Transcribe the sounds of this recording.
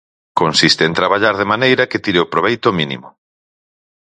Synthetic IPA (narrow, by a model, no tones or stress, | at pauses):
konsist̪eːnt̪ɾaβaʎaɾðemanejɾɐket̪iɾeopɾoβejt̪ʊminḭmʊ